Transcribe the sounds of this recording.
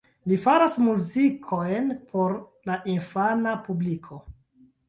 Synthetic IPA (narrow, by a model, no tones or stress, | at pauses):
lifaɾasmuzikʰojnpʰo̞ɾ | laʔinfanapublikʰo̞